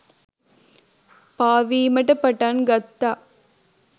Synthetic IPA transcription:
paːʋiːmɐʈːɐpːɐʈːaːnɡɐt̪ːaː

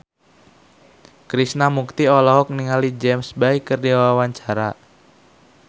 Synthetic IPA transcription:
kɾisnamuk̚t̪iɔlɔɦɔk̚niŋalid͡ʒɛmsbaikːərdiwawawaɲt͡ʃaɾa

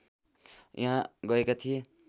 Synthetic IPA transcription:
jʔaɦãɡʌekat̪ʰije

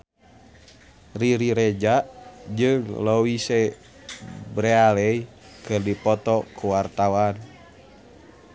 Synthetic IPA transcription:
riɾiɾɛd͡ʒaʔd͡ʒɨŋlowisɛ | bɾɛalɛj | kɨrdipɔt̪ɔkʰuwart̪awan

